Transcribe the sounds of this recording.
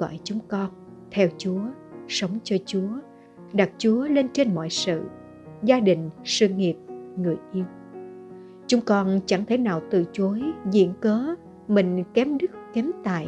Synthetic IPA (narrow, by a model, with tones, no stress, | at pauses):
ɔ̰˧˩˨jt͡ɕʊ˨˦ŋ͡mkɔ˧n | t̪ʰɛ˧wt͡ɕu˨˦ə | sə˨˦wŋ͡mt͡ɕɔ˧t͡ɕu˨˦ə | ɗa˨˩t̚t͡ɕu˨˦əle˧nt͡ɕe˧nmɔ̰˧˨jsɨ̰˧˨ | zaː˧ɗï˨˩ŋ̟sɨ˧ŋi˨˩əp̚ŋɨ˨˩əjʔi˧əw | t͡ɕʊ˨˦ŋ͡mkɔ˧nt͡ɕa˧˩ŋt̪ʰe˧˩jnaː˨˩wt̪ɨ̰˧˨t͡ɕo˨˦jzḭ˧˥ənkəː˨˦ | mï˨˩ŋ̟kɛ˨˦mɗɨ˦˥k̚kɛ˨˦mt̪a̰ː˧˨j